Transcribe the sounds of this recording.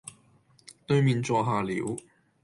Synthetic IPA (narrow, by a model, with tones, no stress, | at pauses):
t̪ɵ˧ɥmiː˨˧nt͡sɔː˧ɦaː˨lḭː˨˥w